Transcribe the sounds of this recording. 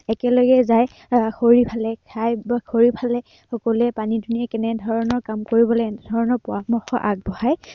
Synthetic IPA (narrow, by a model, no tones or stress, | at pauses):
ɛkɛlɔɡɛzaj | xoɹipʰalɛkʰajbakʰoɹipʰalɛ | xɔkɔluɛpanidʱuniakɛnɛdʱɔɹɔnɔɹkamkoɹibɔlɔdʱɔɹɔnɔɹpɔamɔxɔʔaɡ̚bɔhaj